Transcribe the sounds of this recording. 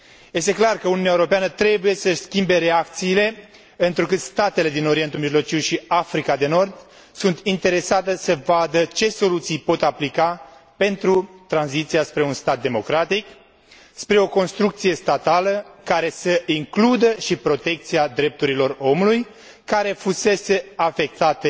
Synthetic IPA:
je̞st̪e̞klarkəununjaeuɾopeanət̪ɾe̞buje̞səskʲimbe̞ɾe̞akt̪siːle̞ | ɨnt̪ɾukɨt̪st̪at̪e̞le̞d̪ino̞ɾije̞nt̪ulmiʒlo̞t͡ʃiwʃiafɾikad̪e̞no̞rd̪ | sunt̪int̪e̞ɾe̞sat̪esəvad̪ət͡ʃe̞so̞lut̪sijpo̞t̪aplikape̞nt̪ɾut̪ɾanzit̪sijaspɾe̞unst̪at̪̚d̪e̞mo̞kɾat̪ik | spɾe̞o̞ko̞nst̪ɾuk̚t̪sije̞st̪at̪aləkaɾe̞səiŋklud̪əʃipɾo̞t̪e̞k̚t̪siad̪ɾe̞p̚t̪uɾilo̞ro̞muluj | kaɾe̞fuse̞se̞afe̞k̚t̪at̪e

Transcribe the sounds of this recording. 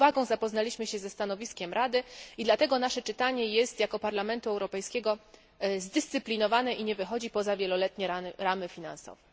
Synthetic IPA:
vaɡɔ̃w̃zapɔznalʲiɕmɘɕɛzɛst̪anɔvʲiskʲɛmɾʔad̪ɘid̪lat̪ɛɡɔnaʂɛt͡ʂɘt̪aɲɛjɛst̪jakɔpaɾlamɛnt̪uɛwɾɔpɛjskʲɛɡɔ | zd̪ɘst̪sɘplʲinɔvanɛʔiɲɛvɘxɔd͡ʑipɔzavʲjɛlɔlɛt̪ɲɛɾaɾamɘfʲina̰nsɔ̰vɛ

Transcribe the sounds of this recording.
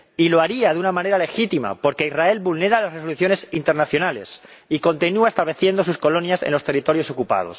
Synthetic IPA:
ilo̞aɾiaðeunamãne̞ɾale̞xit̪ima̰po̞ɾke̞izrae̞lbulne̞ɾalasresoluθjo̞ne̞sint̪eɾnaθjo̞nale̞̰s | iko̞nt̪inuaest̪aβle̞θje̞nd̪o̞s̬usko̞lo̞njasḛnlo̞st̪e̞rit̪o̞ɾjo̞so̞kupa̰ð̞o̞̰s

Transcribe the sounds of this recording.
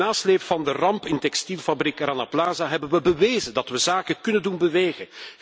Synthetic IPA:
aːsleːpfɑndərɑmpɪntɛkstilˠfɑbrikranaplaːzaɦɛbənʋəbəʋeːzədɑtʋəzaːkəkɵnəndunbəʋeːɣə

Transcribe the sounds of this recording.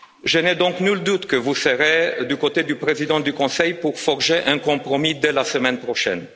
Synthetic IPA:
ʒənɛd̪ɔ̃knyld̪ut̪kəvusəʁed̪ykot̪ed̪ypʁezid̪ɑ̃d̪ykɔ̃sɛjpuʁfɔʁʒeʔɛ̃kɔ̃pʁomid̪elasəmɛnpʁoʃɛ̰n

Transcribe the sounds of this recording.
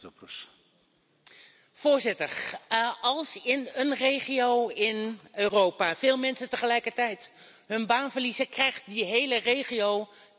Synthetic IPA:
ɔprs | v̥ʊːɹzɪtəɹ | ɑlˠsɪnənrejχiowɪnøːrowpaːv̥eːlˠmɛnsətəχəlɛjkəɹtɛjt | ɦɵnbaːnvəɹlizəkrɛjχt̚diɦejlərejχijow

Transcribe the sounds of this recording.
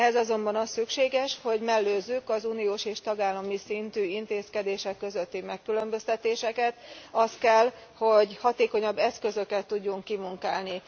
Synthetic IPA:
ɛzɒzo̞mbɒnɒsykʃeːɡɛʃho̞ɟmɛlːøːzːykɒzuːnijoːʃeːʃt̪ɒɡaːlːɒmisint̪yːint̪eːskɛd̪eːʃɛkːø̞zø̞t̪ːimɛkːylømbø̞st̪ɛt̪eːʃɛkɛt̪ɒst̪kɛlho̞ɟhɒt̪eːko̞ɲɒbːɛskø̞zø̞kɛt̪ːuɟːuŋkːimuŋkaːlni

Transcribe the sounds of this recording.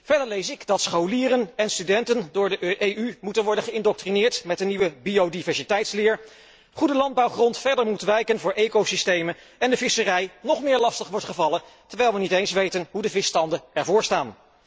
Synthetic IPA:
v̥ɛɹdəɹlejsɪɡdɑtsχowliːɾənɛnstydɛntəndʊːɹdəʔejymutənʋɔɹdənχəɪndɔk̚trinɪːɹtmɛt̚dəniʋəbiodivɛɹsitɛjtslɪːɹ | χudəlɑnd̚bɑwχrɔntfɛɹdəɹmutʋɛjkənvʊːɹʔejkowsistejmən | ɛndəvɪsərɛjnɔχmɪːɹlɑstəχʋɔɹtχəvɑləntəɹʋɛjlˠʋənitejnsʋejtənɦudəvɪstɑndəɛɹvʊːɹstaːn

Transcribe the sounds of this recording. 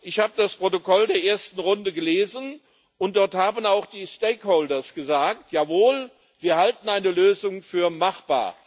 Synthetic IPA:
ʔɪçhaːbədaspʁ̥otokɔldeːɐʔeːɐstn̩ʁʊndəɡəleːzən | ʊntd̥ɔɐthaːbənaʊxd̥iːsteɪkholdɐsɡ̥əzaːk̚tʰjaːvoːl | viːɐhaltn̩aɪnəløːzʊŋfyːɐmaχb̥a̰ːɐ

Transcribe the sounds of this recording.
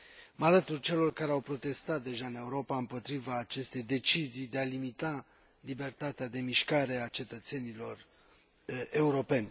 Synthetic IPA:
malət̪urʲt͡ʃe̞lo̞rkaɾe̞awpɾo̞t̪e̞st̪at̪̚d̪e̞ʒaɨne̞uɾo̞paɨmpo̞t̪ɾivaːt͡ʃe̞st̪e̞jd̪e̞t͡ʃizijd̪e̞alimit̪a | libe̞rt̪at̪ead̪e̞miʃkaɾe̞at͡ʃe̞t̪ət̪se̞nilo̞r | e̞uɾo̞pe̞nʲ

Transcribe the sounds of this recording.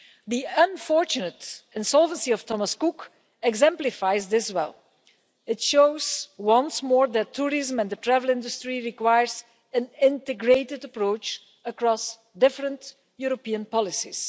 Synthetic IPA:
d̪iə̃nfɔɹt͡ʃʊnətɪ̃nsɔlˠvə̃nsiɔftʰɔməskuk | ɛɡzɛ̃mplɪfaɪzdɪswɛ̰lˠ | ɪtʃoʊzwʌ̃nsmɔːɹd̪ætʰːuɹɪzə̃mɛ̃nd̪ətɹævəl̩ˠɪ̃ndʊstɹiɹikwajəɹz | ɨ̃nɪ̃ntɨɡɹeɪtɪdəpɹoʊt͡ʃ | əkɹɔs | dɪfɹə̃nt | juɹopiə̃npɑlɪsḭs

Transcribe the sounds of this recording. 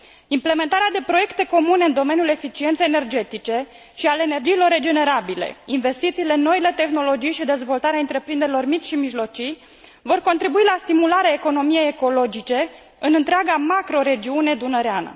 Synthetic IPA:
imple̞me̞nt̪aɾead̪e̞pɾo̞je̞kt̪e̞ko̞mune̞ɨnd̪o̞me̞nijule̞fit͡ʃient̪sejenerd͡ʒe̞t̪it͡ʃe̞ | ʃialeeːne̞rd͡ʒiːlo̞rːe̞d͡ʒe̞ne̞ɾabile̞̰inve̞st̪it̪siːle̞no̞ile̞t̪e̞xno̞lo̞d͡ʒijʃid̪e̞zvo̞lt̪aɾeaɨnt̪ɾe̞pɾind̪eɾilo̞rmit͡ʃʲʃimiʒlo̞t͡ʃij | vo̞rko̞nt̪ɾibuilast̪imulaɾeaeko̞no̞mije̞jeko̞lo̞d͡ʒit͡ʃe̞ | ɨnɨnt̪ɾeaɡamakɾo̞ɾe̞d͡ʒiune̞d̪unəɾeanə̰

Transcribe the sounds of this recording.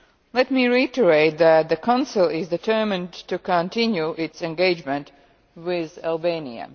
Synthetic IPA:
lɛtmiːɹiɪtəɹeɪt̪̚ðæt̪̚ðəkʰãnsɪlˠɪzdɨtʰɜ˞mɪ̃ntukɔ̃ntɪ̃njuʔɪtsɛ̃nɡeɪd͡ʒmɛ̃nt | wɪðælˠbeɪnḭə̰

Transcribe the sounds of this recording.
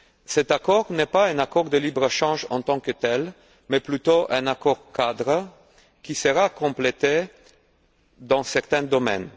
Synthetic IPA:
sɛt̪akɔʁnɛpaɛ̃nakɔʁd̪əlibʁəʃɑ̃ʒɑ̰̃t̪ɑ̃kət̪ɛl | mɛplyt̪oʔɛ̃nakɔʁkad̪ʁə | kisəʁakɔ̃plet̪e | d̪ɑ̃sɛʁt̪ɛ̃d̪ɔmɛ̰n

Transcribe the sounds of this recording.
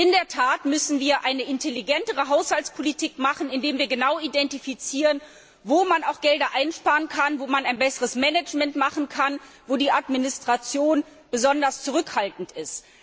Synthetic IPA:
ʔɪndeːɐtʰaːtmʏsn̩viːɐʔaɪnəʔɪntʰeliɡɛntəʁəɦaʊshaltt͡spʰolitʰiːkmaχn̩ɪndeːmviːɐɡənaʊidɛntifit͡siːʁən | voːmanaʊxɡ̥ɛldɐʔaɪnʃpaːʁənkʰanvoːmanaɪnbɛsəʁəsmɛnɛt͡ʃmɛntmaχn̩kʰan | voːdiːʔatminɪstʁ̥at͡sjoːn | b̥əzɔndɐst͡suʁ̞ʏkhaltn̩tɪst

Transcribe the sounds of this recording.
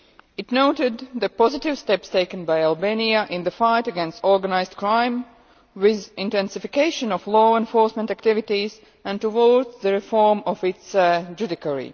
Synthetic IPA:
ɨtnoʊtɪd̪ðəpɔzɪtɪvstɛpsteɪkə̃nbaɪalˠbeniəʔɪ̃nðəfaɪtəɡɛ̃nstɔɹɡənaɪzdkɹãɪ̃m | wɪðɪ̃ntɛ̃nsɪfɪkeɪʃə̃nɔflɔːɛ̃nfɔɹsmɛ̃ntæktɪvɪtiz | æ̃ntuwɔɹdzðəɹɪfɔɹmɔfɪtsd͡ʒʉdɪkəɹḭ

